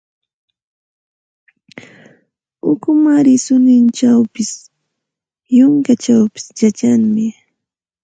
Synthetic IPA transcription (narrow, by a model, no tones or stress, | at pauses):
ʊkʊmaɾɪsʊnɪnt͡ʃawpɪs | jʊŋkat͡ʃawpɪ̥sjat͡ʃaŋmɪ